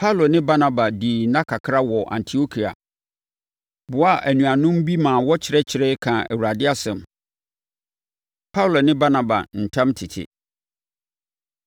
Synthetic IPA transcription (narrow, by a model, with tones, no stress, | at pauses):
pʰa˦u˨lo˨nɪ̃˦ba˦nã˨ba˨diː˨nã˦kʰa˨kʰɾa˦wɔ˨ʔã̰˨ntʰi˨o˦kʰi˨a̰˨ | bʊ˨˦a˦˨ʔæ˨nũ˨a˨nʊ̃˦m˦bi˦mãː˨wɔ˦t͡ɕʰɪ˨ɾɛ˦t͡ɕʰɪ˨ɾɛ˦kʰã˨æ̰˨wu˨ɾa˨dɪ˦a˦sɛ̃˨m | pʰa˦u˨lo˨nɪ̃˦ba˦na˨ba̰˨n̩˨tʰã˦mtʰɪ˨tʰɪ̰˨